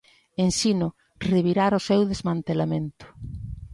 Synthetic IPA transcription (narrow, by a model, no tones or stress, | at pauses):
ensinʊ | reβiɾaɾʊsewðezmãnt̪elamẽnt̪ʊ̥